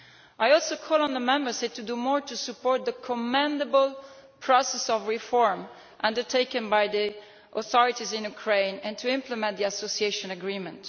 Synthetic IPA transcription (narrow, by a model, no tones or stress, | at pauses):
ʔajɔlˠsokʰɔlə̃nðəmɛ̃mbə˞stet̪ʰːudumɔɹt̪usupɔɹt̪̚d̪əkʰɔmɛ̃ndəbəl | pʰɹɔsɛsɔvɹifɔɹm | ʔʌ̃ndəɹtʰeɪkə̃nbajd̪i | ʔɔθɔɹitizɪ̃njukʰɹẽɪ̃nɛ̃ntʰuɪ̃mpləmɛ̃n̚d̪iasosieɪʃɔ̃nəɡɹĩmɛ̃nt